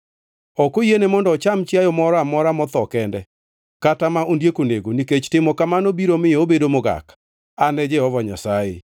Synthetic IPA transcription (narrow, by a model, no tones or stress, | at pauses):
ɔkojenemɔndɔːt͡ʃamt͡ʃjajɔmɔɾamɔɾamɔt̪ɔkɛndɛ | katamaʔondjekoneɡoniket͡ʃtɪmɔkamanobiɾomɪobedomʊɡa̰k | anɛd͡ʒɛhɔvɔɲa̰sajɪ̰